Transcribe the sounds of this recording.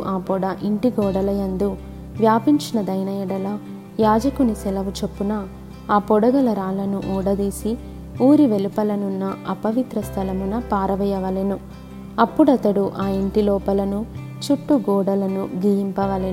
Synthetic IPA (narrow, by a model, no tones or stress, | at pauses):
ʔaːpɔɽɐʔiɳʈiɡɔːɽɐlɐjɐnd̪u | ʋjaːpiɲt͡ʃinɐd̪ɐjnɐjɐɽɐlɐ | jaːd͡ʒɐkunisɛlɐʋut͡ʃepːunɐ | aːpɔɽɐɡɐlɐɾaːlɐnuʔuːɽɐd̪iːsi | uːɾiʋelupɐlɐnunːɐɐpɐʋit̪ɾɐst̪ʰɐlɐmunɐpaːɾɐʋɐjɐʋɐlenu | ɐpːuɽɐt̪ɐɽuʔaːiɳʈilɔːpɐlɐnu | t͡ʃuʈːuɡɔːɽɐlɐnuɡijimpɐʋɐle